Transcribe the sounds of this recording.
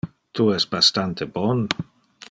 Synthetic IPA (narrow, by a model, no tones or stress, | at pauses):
t̪uɛst̪bast̪ant̪ʰebɔn